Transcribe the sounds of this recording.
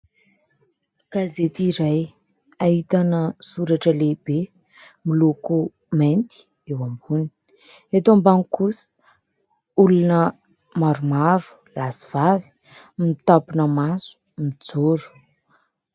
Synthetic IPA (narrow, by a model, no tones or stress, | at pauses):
ɡ̥azet̪iɾaj | ait̪anəsuɾaʈ͡ʂəlebe | miloku | ment̪i̥ | ewambuni̥ | et̪ombaŋikusə̥ | ulunə | maɾumaɾu̥ | lasi̥v̥avi̥ | mit̪apunəmasu̥ | mid͡zoɾu̥